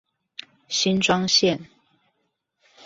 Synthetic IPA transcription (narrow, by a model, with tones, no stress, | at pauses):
ɕi˥nʈ͡ʂwɑ˥ŋɕjɛ˥˨n